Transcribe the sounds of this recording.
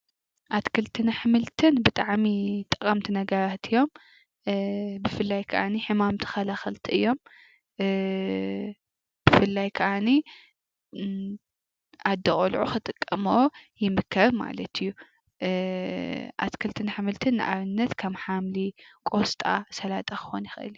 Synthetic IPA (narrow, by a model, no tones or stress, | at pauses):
ʔat̪kʰɨlt̪ʰɨnaħɨmɨlt̪ʰɨnbɨt̪ʼaʕmit̪ʼɨkʼːɐmt̪ʰinɐɡɐɾat̪ʰɨjːo̞m | bɨfɨlːajkʰɐʔa̰niħɨmamt̪ʰɨ̥xɐlaxɐlt̪ʰiʔɨjːo̞m | b̥ɨfɨlːajkʰɐʔani | ad̪ːɐχʼolʕuxɨt̪ʼɨkʼːɐmojɪmɨkʰːɐɾma̰lɐt̪ʰɨjːu | ʔa̰t̪kʰɐlt̪ʰɨnaħɨmɨlt̪ʰɨnːɨ̰ʔa̰βɨnːɐt̪kʰɐmħamlikʼost̪ʼa̰sɐlat̪ʼaxɨ̥xo̰njɪxʔɨ̰lu